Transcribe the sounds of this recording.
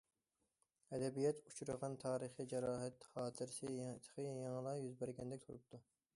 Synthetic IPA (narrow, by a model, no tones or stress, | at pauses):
ɛd̪ɛbijɛt̪ʰut͡ʃʰuɾɨʁɑnt̪ʰɑːɾəχid͡ʒɛɾɑːɦɛt̪ːχɑːt̪ʰɪɾɪsɪjt̪ʰːə̥qʰəjɑŋlˠɑjyzbæɾɡʲɛnd̪ɛk̚ʲt̪ʰuɾup̚t̪ʰu